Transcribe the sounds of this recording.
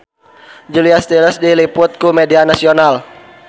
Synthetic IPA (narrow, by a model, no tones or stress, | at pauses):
d͡ʒuliast̪iləsdilipʊt̪̚kumedianasional